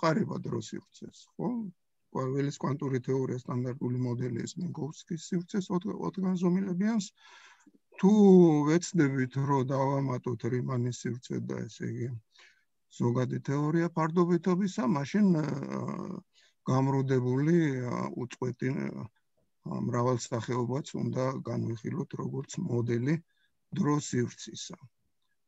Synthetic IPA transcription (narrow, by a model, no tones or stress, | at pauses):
qʼaɾɛba̰d̪ɾɔsḭvɾt̪sʰɛsχɔ | kʼavɛliskʼwant̪ʼuɾit̪ʰɛɔɾiast̪ʼand̪aɾt̪ʼulimɔd̪ɛlḭsmɛɡɔfskʼisːivɾt̪sʰɛsɔ̰t̪ʰɡanzɔmilɛbians | t̪ʰuvɛt̪sʰd̪ɛbit̪ʰɾɔd̪avamat̪ʼɔt̪ʰɾimanisːivɾt̪sʰɛ̰d̪a̰ɛ̰sɛ̰iɡi | z̥ɔɡad̪it̪ʰɛɔɾiapʰaɾd̪ɔbit̪ʰɔbisamaʃin | ɡ̥amɾud̪ɛbuliṵt̪sʼqʼwɛt̪ʼi | mɾavɛlˠsaχɛɔbat̪sʰṵnd̪aɡanviχilɔt̪ʰɾɔɡɔɾt̪sʰmɔd̪ɛli | d̪ɾɔsivɾt̪sʰisa